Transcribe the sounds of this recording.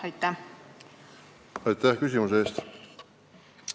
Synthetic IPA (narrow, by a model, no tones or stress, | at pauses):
ɑjt̪ːˑæ | ɑjt̪ːæhkysʲimus̬eeːst̪